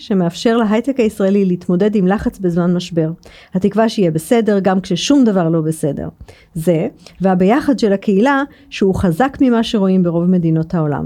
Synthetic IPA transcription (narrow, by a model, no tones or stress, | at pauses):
ʃe̞meafʃe̞ʁleɦajtekaisʁaelileit̪mo̞de̞dimlaχat͡sbezmanmaʃbe̞ʁ | hat̪ikvaʃeijebese̞de̞ʁɡamkʃeʃumdavaʁlo̞bese̞de̞̰ʁ | ze̞veabejaχadʃelakeila | ʃeuχazakmimaʃe̞ʁo̞imbeʁovme̞dino̞thao̞la̰m